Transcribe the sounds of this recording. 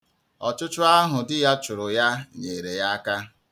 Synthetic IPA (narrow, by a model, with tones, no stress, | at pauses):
ɔ˨t͡ʃʊ˦t͡ʃʊ˦a˦ɦʊ˨dɪ˦ja˦t͡ʃʊ˨ɾʊ˨ja˦ɲe˨ɾe˨ja˦a˦ka˦